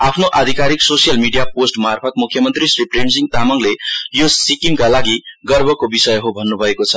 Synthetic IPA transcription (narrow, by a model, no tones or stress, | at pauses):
apʰnoʔad̪ʱikaɾiksosijʌlmiɖijaposʈmarpʰʌt̪̚mukʰːjʌmʌnt̪risripʰrensiŋt̪amʌŋlejosikiŋkalaɡiɡʌrbʱʌkobisʌjɦobʱʌnːubʱʌekot͡sʰʌ